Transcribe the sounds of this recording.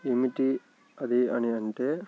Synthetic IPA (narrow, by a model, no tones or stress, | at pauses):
imiʈi | ɐd̪iɐniɐɳʈeː